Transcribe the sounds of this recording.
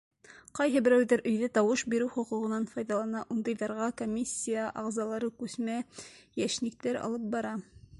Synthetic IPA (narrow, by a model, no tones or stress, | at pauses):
qɑjɦɤbɘ̆ɾæwðæɾʔɵ̆jðæt̪ɑwɤʃbiɾɘwχŏquʁɤ̆nɑnfɑjðɑlˠɑnɑʔund̪ɤ̆jðɑɾʁɑkomʲisʲːijaʔɑ̰ʁzɑlˠɑɾɤkʉθmæjæʃnĭk̚t̪æɾɑ̰lˠɤp̚bɑɾɑ